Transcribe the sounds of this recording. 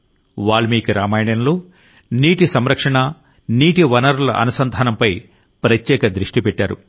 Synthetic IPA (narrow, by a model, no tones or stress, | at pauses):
ʋaːɭːumiːkuɾaːmaːjɳɐnloː | niːʈisɐmɾɐkʂɐɳɐ | niːʈiʋɐnɐɾulɐ̰ʔɐ̰nɐsɐnd̪ʱaːnɐmpɐj | pɾɐtjɛːkɐd̪ɾiʂʈipɛʈːaːɾṵ